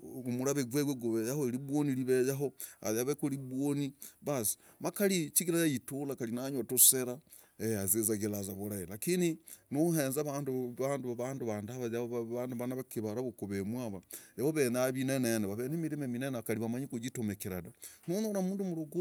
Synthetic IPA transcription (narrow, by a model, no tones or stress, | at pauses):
umuɾaβeɡweɡweɡuβejahoeɾiβwoniliβejaɦoa̰jaβekuliβwoniβasi̥ | makalit͡ʃiɡiɾajajitulakalinaɲwatuseɾa | eazezaɣelazaβuɾailakininoheːnzaβaːnduβaːnduβaβanduβandaβajaβanduβanaβakiβaɾaβukuβemwaβaeβoβenaβineneneβaβenemiɾimeminenaakaliβamaɲikud͡ʒitomekiɾadanonoɾamuːndumuluɡu